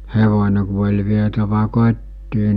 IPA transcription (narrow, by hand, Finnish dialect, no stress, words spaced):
heʋonʲe ku olʲ ʋietæʋæ kotʲtiː